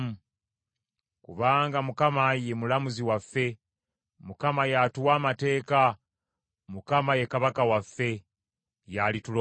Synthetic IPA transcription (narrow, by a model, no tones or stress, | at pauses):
mu | kṵβaːŋɡamukamaje̞mulamuziwafːe̞ | mukamajatuwaːmate̞ːka | mukamaje̞kaβakawafːe̞ | jalitulo